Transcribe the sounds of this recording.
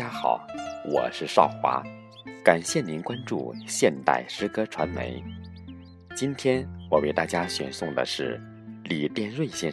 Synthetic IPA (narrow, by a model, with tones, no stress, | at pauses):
ja˥xɑ̰˨˩˦ʊwɔ̰˨˩ʂɻ̩˥˧ʂɑ˥˩ʊxwa̰˧˥ | ka˨˩nɕjɛ˥˩ni˧˥nkwa˥nʈ͡ʂṵ˥˧ɕjɛ˥˧nt̪a̰˥˩ɪʂɻ̩˥kɤ˥ʈ͡ʂʰwa˧˥nmḛ˧˥ɪ | t͡ɕi˥nt̪ʰjɛ˥nwɔ˨˩we˥˩ɪt̪a̰˥˩t͡ɕja˥ɕɥɛ̰˨˩nsʊ˥˩ŋd̪ə̰˩ʂɻ̩˥˩ | li˨˩t̪jɛ˥˧nɻwe˥˧nɕjɛ˥˧